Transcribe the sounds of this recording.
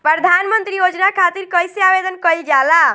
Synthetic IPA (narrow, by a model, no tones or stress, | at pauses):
pɾəd̪ʱanmənt̪ɾijod͡ʒnakʰat̪iɾkəjseaʋed̪ənkəild͡ʒala